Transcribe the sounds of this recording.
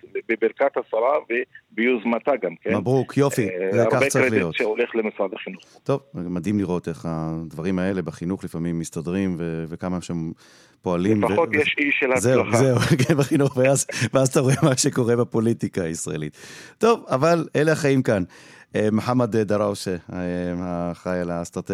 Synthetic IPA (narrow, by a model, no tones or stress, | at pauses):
bebeɾkat̪hasaɾavebijuzmat̪aɡamkemabʁukʰjo̞fizekat͡saʁilijo̞t̪ʃeoleχlemisʁad̪aχinuχt̪o̞vmad̪imliʁo̞t̪e̞χad̪vaʁimae̞le̞baχinuχlifamimːist̪adʁimvevekamaʃem | po̞aliemfaojeʃiʃelazeazeukenbeχinuχveazveazat̪aʁoemaʃe̞ko̞ʁe̞bepo̞litikaːisʁa̰e̞̰lit̪to̞vavaleleaχaimkanemoħamad̪ed̪aʁaʃe | aχajalast̪ʁat̪e